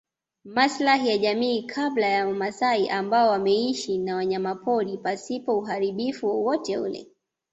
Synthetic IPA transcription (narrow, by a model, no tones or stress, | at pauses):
maslaɦijaʄamiːkʰablajaamasaiʔambaɔwamɛiʃinawaɲamapɔɾipasipɔuɦaɾiɓifuwɔwɔtɛulɛ̰